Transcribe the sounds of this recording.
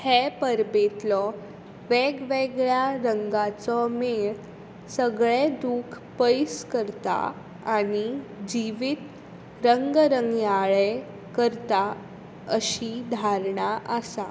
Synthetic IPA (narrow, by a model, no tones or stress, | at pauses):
hɛpəɾbet̪lɔ | ʋeɡʋeɡɭjaɾəŋɡat͡sɔmeɭ | səɡɭed̪ukʰ | pəjskəɾt̪a̰ | añid͡ʑiʋit̪ | ɾəŋɡɾəŋɡjaɭe | kəɾt̪a | əɕid̪ʱaɾɳaʔəsa